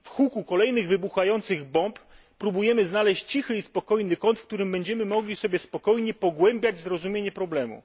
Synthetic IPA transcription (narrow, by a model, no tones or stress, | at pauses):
fxukukɔlɛjnɘɣvɘbuxajɔnt̪sɘɣbɔmpː | ɾubujɛmɘznalɛɕt͡ɕt͡ɕixɘispɔkɔjnɘkɔnt̪fkt̪uɾɘmbɛɲd͡ʑɛmɘmɔɡlʲisɔbʲjɛspɔkɔjɲɛpɔɡwɛmbʲjad͡ʑzɾɔzumʲjeɲɛpɾɔblɛmṵ